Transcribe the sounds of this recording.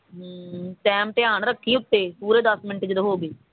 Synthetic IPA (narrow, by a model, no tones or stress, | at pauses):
ʈɛːmʈ̪ɪjaːnɾəkʰːĩːʊt̪ːeːpuːɾeːd̪əsmɪnʈd͡ʒɪd̪ɦoːɡeː